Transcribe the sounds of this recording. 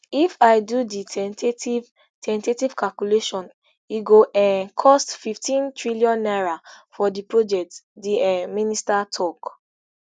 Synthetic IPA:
ifaɪdudiɛtiv | tʰɛ̃ntetiv̥kʰalkuleʃɔ̃n | iɡoʔɛ̃nkʰɔstfiftĩntʰɹiliɔ̃nːaɹafɔdipɹod͡ʒɛk̚tdiɛministatʰɔk

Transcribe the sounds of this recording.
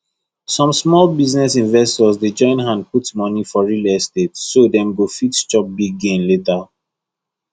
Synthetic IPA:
sɔ̃msmɔlbiznɛsĩnvɛstɔzded͡ʒɔ̃ɪ̃nɦãnd̚putmɔnifɔɹilɛstetːodɛ̃mɡofitt͡ʃɔp̚biɡɡẽmleta

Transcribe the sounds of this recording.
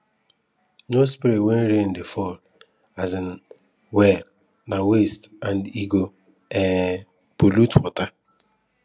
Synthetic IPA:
nospiɾitwen̩ɾen̩defɔl | azn | wɛl | nawestandiɡo | ɛ | polutpɔta

